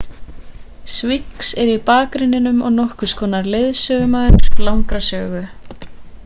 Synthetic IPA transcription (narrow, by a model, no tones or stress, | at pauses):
sviksɛɾipaːkɾɪnɪnʏmɔ̰ɣnɔhkʏ̥skʰɔːnaɾlɪðsœːɣʏmaðʏɾ̥lawŋkɾasœːɣʏ